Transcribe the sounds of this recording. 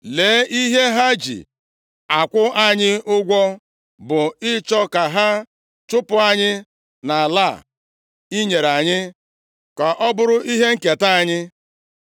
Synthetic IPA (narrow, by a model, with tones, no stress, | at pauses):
leː˨˦ʔi˦ɦe˦ɦa˦d͡ʒḭ˨ | a˨kʷʊ˦ʔa˦ɲɪ˦ʊ˦ɡʷɔ˦ | bʊ˨ɪ˦t͡ʃɔ˦ka˨ɦa˦ | t͡ʃʊ˦pʊ˨a˨ɲɪ˦ | na˨la˦˨ | i˦ɲe˨ɾa˨ɲɪ˦ | ka˨ʔɔ˦bʊ˦ɾʊ˦ʔi˦ɦe˦ŋ̩˦ke˨ta˦a˨ɲɪ˦